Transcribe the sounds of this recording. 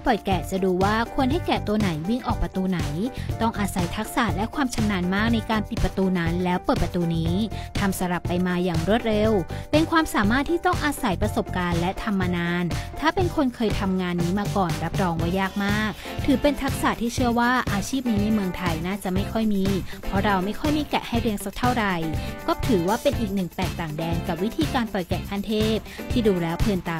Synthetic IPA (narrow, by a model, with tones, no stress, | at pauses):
pɔ˨˩jkɛː˨˩t͡ɕa˨˩duː˧waː˥˩kʰu˧ənɦa˥˩jkɛː˨˩t̪u˧əna˩˦jwi˥˩ŋʔɔː˨˩k̚pɾa˧t̪uː˧na˩˦jt̪ɔ˥˩ŋʔaː˧sa˩˦jt̪ʰa˦˥k̚saː˨˩t̪̚lɛ˦˥kʰwaː˧mt͡ɕʰa˧mnaː˧nmaː˥˩k̚na˧jkaː˧npi˨˩pɾa˧t̪uː˧naː˧˥nlɛː˦˥wpɤː˨˩t̪̚pɾa˧t̪uː˧niː˦˥t̪ʰa˧msa˧ɾa˨˩pːa˧jmaː˧jaː˨˩ŋɾu˥˩ət̪̚ɾe˧wpe˧nkʰwaː˧msaː˨˩˦maː˥˩t̪ʰːiː˥˩t̪ɔ˥˩ŋʔaː˧sa˩˦jpɾa˧so˨˩p̚kaː˧nlɛ˦˥t̪ʰa˧mːaː˧naː˧nt̪ʰaː˥˩pe˧nkʰo˧nkʰɤː˧jt̪ʰa˧mŋaː˧nːiː˦˥maː˧kɔː˨˩nɾa˦˥p̚ɾɔː˧ŋwa˦˥jaː˥˩k̚maː˥˩k̚ | t̪ʰɯː˩˦pe˧nt̪ʰa˦˥k̚sa˨˩t̪ʰiː˥˩t͡ɕʰɯ˥˩əwaː˥˩ʔaː˧t͡ɕʰiː˥˩p̚niː˦˥na˧jmɯ˧əŋt̪ʰa˧jnaː˥˩t͡ɕa˨˩ʔma˥˩jkʰɔ˥˩jmiː˧pʰɾɔ˦˥ɾa˧wma˥˩jkʰɔ˥˩jmiː˧˥˩kɛ̰˨˩ʔha˥˩jpʰi˦˥əŋsa˧˦˥k̚t̪ʰa˥˩wɾa˧jkɔː˥˩t̪ʰɯː˨˩˦waː˥˩pe˧nʔiː˨˩k̚nɯ˨˩ŋp̪ɛː˨˩k̚t̪aː˨˩ŋdɛː˧nka˨˩p̚wi˦˥t̪ʰiː˧kaː˧npɔ˨˩jkɛː˨˩kʰaː˥˩nt̪ʰeː˥˩p̚t̪ʰiː˥˩duː˧lɛː˦˥wpʰɯː˧nt̪aː˨˩